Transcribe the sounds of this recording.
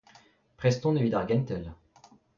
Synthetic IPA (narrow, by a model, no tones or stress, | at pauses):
pχɛst̪ɔ̃d̪əvid̪aʁɡʲɛnt̪ɛl